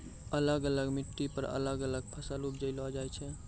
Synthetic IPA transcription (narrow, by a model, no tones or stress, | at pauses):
ələɡələɡmiʈːipəɾə̰ləɡələɡ̚pʰəsalup̚d͡ʒəɪlɔd͡ʒajt͡ʃʰɛ